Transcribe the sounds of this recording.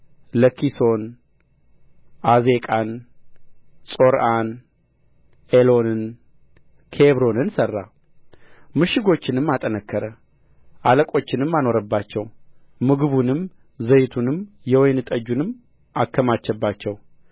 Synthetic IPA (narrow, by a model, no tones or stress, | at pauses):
ləkʰiso̞n | ʔaze̞kʼan | sʼo̞ɾan | elo̞nɨn | kʰeβɾo̞nɨnsərːa̰ | mɨʃɪɡo̞t͡ʃːɪnɨmːat̪ʼənəkʰːəɾə | ʔaləkʼo̞t͡ʃːɪnɨmːano̞ɾəbːat͡ʃːɛw | mɨɡɨβunɨm | zəjt̪ʰunɨmjɛwɔjnɨt̪ʼəd͡ʒːunɨmː | ʔakːəmat͡ʃːɛbːat͡ʃːɛw